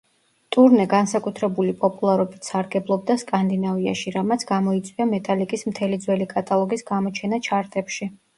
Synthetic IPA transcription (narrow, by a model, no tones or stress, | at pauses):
t̪ʼuɾnɛɡansakʼut̪ʰɾɛbulipʼɔpʼulˠaɾɔbit̪ʰsaɾɡɛblˠɔb̚d̪askʼand̪inavia̰ʃiɾamat̪sʰɡ̥amɔit̪sʼwiamɛt̪ʼalikʼismt̪ʰɛlid̪zwɛlikʼat̪ʼalˠɔɡisɡamɔt͡ʃʰɛnat͡ʃʰaɾt̪ʼɛpʃi